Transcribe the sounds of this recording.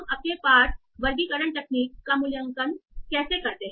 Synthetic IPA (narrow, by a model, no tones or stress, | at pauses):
məkẽpaɾ | ʋəɾɡiːkəɾəɳʈ̪əkniːkːamuljəŋkənkɛsekəɾt̪e